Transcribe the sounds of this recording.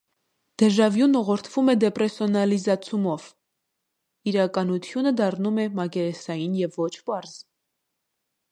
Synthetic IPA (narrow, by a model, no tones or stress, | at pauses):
d̪̥ɛʒɑvjunɔʁɔɾt̪ʰv̥umɛd̪ɛpɾɛsjɔnɑlizɑt͡sʰumɔv̥ | iɾɑkɑnut̪ʰjunəd̪ɑrnumɛmɑkɛɾɛsɑjinjɛvːɔt͡ʃʰpɑɾz̥